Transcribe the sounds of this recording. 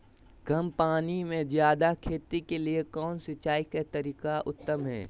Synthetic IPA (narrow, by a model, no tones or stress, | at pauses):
ɡɐmpaːnimẽzjaːd̪akʰeːt̪ikeliekɔːnsɪt͡ʃaːikat̪ɐɾiːkaʔʊ̰t̪ːəmɦɛ̰ː